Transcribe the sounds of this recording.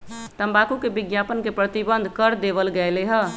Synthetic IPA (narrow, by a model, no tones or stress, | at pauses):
t̪əmbakukebiɡjapənkepɾət̪ibənd̪ʱkəɾd̪eβəlɡɛleɦə